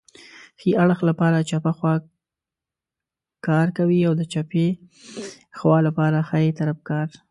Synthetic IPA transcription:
xiʔaɽxlapɑɾat͡ʃapaxwɑ | kɑɾkawiawd̪ət͡ʃape | xwɑlapɑɾaxaet̪aɾafkɑɾ

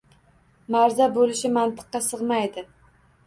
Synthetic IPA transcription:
maɾzabolɪʃɪmant̪ʰɨ̥qːɑsɨʁmajd̪ɪ

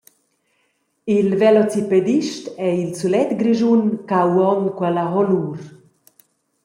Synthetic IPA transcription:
ilvelɔt͡siped̪iʃt̪ɛilsulɛt̪ɡɾiʒunkawɔnkwɛlaɦɔluːɾ

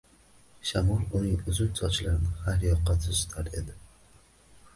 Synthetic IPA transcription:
ʃamɒlˠʊnɪŋʊzʊnsʰɒt͡ʃlaɾɪnɪhaɾjɒqːɑt̪ʰɪʃt̪ʰaɾe̞d̪ɪ

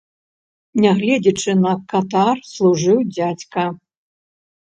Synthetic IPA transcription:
nʲɛɣlʲɛd͡zʲit͡ʂɨnɐkat̪arslˠuʐɨwd͡zʲat͡sʲkɐ

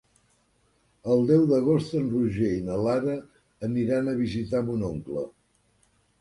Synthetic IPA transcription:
əlˠd̪ɛwðəɣ̞ost̪ənruʒeinəlaɾəː | niɾanəβizit̪amunoŋklə̰

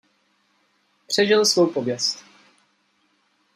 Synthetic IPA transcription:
pr̝̥ɛʒɪlsvowpobjɛst̪

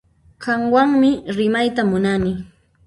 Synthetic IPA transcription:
ɢɑŋwaŋmɪɾɪmajt̪amʊnanɪ

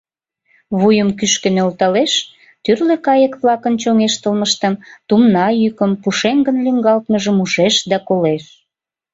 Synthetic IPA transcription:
βujəmkyʃkə̆nølt̪ɑleʃ | t̪yrlekɑjəkβlɑkənt͡ɕoŋeʃt̪əlməʃt̪əmt̪umnɑjykəmpuʃeŋɡənlyŋɡɑlt̪məʒəmuʃeʃd̪ɑkoleʃ

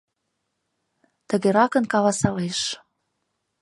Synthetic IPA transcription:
t̪əɣeɾɑkə̆nkɑlɑsɑleʃ

